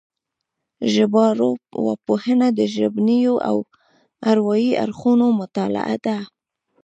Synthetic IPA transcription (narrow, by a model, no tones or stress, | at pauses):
ʒɪbɑɾowɑ̰pohənad̪əʒɪbnijoʔa̰w | aɾwɑjia̰ɾxunomʊt̪ɑla̰ʔa̰d̪a